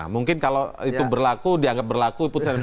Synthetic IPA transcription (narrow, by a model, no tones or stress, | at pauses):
muŋkɪnkaloit̪ubərlakudiaŋɡap̚bərlakuipʊt̪san